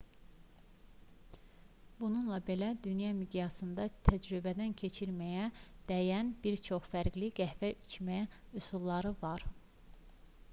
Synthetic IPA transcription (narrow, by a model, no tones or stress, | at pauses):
bununlˠɑbe̞læd̪ynjɑmid̪jɑsɯnd̪ɑt̪ʰæd͡ʒɾybæd̪æncʰe̞t͡ʃʰiɾmæjæd̪̥æjænbiɾt͡ʃʰo̞χfæɾɡliɡæhvæʔit͡ʃmæusulˠːɑɾɯvɑɾ